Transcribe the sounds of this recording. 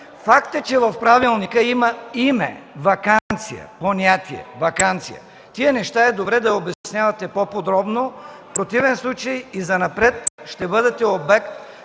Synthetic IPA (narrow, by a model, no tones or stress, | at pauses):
fakt̪ɛt͡ʃɛvɐfpɾavilˠnikəimɐimɛ̰vɐkannt̪sijɐ̰ponʲat̪iɛ̰vɐkant̪sijɐ̰ | t̪iənɛʃt̪aɛd̪obɾɛd̪ɐobɛsnʲavɐt̪ɛpopod̪ɾɔbnofpɾot̪ivɛnslˠut͡ʃɐjizɐnɐpɾɛt̪ʃt̪ɛbɤd̪ɛt̪ɛobɛkt̪